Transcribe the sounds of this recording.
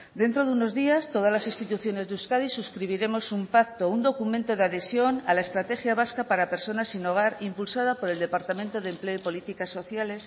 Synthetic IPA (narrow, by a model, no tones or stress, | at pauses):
d̪e̞nt̪ɾo̞ðuno̞zðiast̪o̞ð̞azlasinst̪it̪uθjo̞ne̞zðeuskaðisuskɾiβ̞iɾe̞mo̞sumpak̚t̪ound̪o̞kumẽnt̪o̞ðeaðe̞sjo̞na̰laest̪ɾat̪e̞xjaβaskapaɾape̞ɾso̞nasːino̞ɣ̞aɾimpulsað̞apo̞ɾe̞ld̪e̞paɾt̪amẽnt̪oðemple̞oipo̞lit̪ikasːo̞θjale̞s